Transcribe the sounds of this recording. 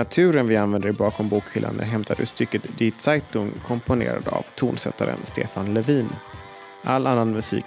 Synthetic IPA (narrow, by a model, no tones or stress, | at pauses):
at̪ʰʉ̟ːɾənvɪanvɛnd̪əɾɪbɑːkʰɔmbuːkfɪlːa̰nːɛɦɛmt̪ʰaɾɵ̰st̪ʏkːət̪d̪ɪt̪sajt̪ʊŋkʰɔmpʊnḛːɾa̰d̪a̰vt̪ʰuːnsɛt̪ːaɾə̰nst̪ḛːfanlɛviːn | ʔalːanːanmɵsḭːk